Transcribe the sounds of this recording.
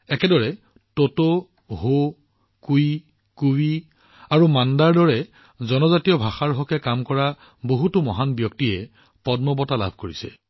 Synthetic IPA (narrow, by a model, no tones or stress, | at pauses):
ɛkɛdɔɹɛ | toto | ɦo | kuj | kuwi | aɹumandaɹdɔɹɛ | zɔnɔzatijɔbʱaxaɹɦɔkɛkamkɔɹa | boɦutumɔɦanbjɔktiɛ | pɔdmɔbɔtala̰bʱkoɹisɛ̰